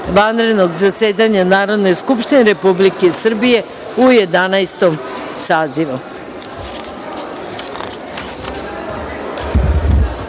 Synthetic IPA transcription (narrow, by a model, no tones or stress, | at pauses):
ʋanɾe̞d̪no̞ɡzaseːd̪aɲanaːɾo̞d̪ne̞skupʃt̪ineɾe̞publike̞sr̩bije̞ | uje̞d̪anajst̪om | saːziʋu